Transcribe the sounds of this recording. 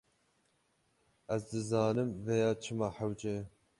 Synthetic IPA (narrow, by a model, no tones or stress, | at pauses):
ɛzd̪ɨzɑːnɨmvɛjɑːt͡ʃʰɨmɑːħawd͡ʒe